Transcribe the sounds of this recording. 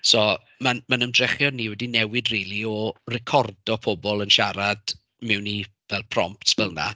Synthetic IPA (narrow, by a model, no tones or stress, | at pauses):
sɔ | manmanəmdrɛχjɔnːiːwɛdinɛwɪdriːlˠiɔrɛkʰɔrdɔpʰɔbɔlˠənʃaɾad̥ | mɪwni | vɛlˠpʰrɔ̰mp̚tsb̥ɪlˠna̰